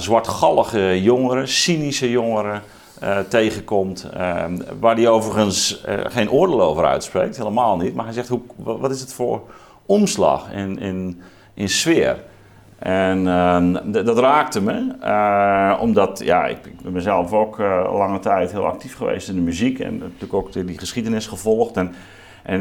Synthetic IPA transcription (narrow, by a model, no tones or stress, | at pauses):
zwaɹtxɑlˠəɣəjoŋəɾəsinisəjoŋəɾə | tejɣəkɔmt | ʋaːdiowvərɣənsxeːnʔoərdeːloːvəɾœ̰ɥtsprḛːk̚tɦeːləmaːlˠnitmarɦɛjzɛxthuʋɔtɪsdətfoːr | ɔmslɑ̰xɪ̰nɪ̰n | ʔɪnsʋɪər | ʔɛn | dɔtraːk̚təmə | ɔ̰mdɔtja̰ɪ̰kɪkbɛnmɛzɛlˠfoːklaŋətɛjtɦɪəlˠa̰k̚tifχəʋḛjstɪndəmyzikɛ̰ntyəkok̚dʊdiχəsχidənɪsχəvɔlˠxtɛn | ʔɛ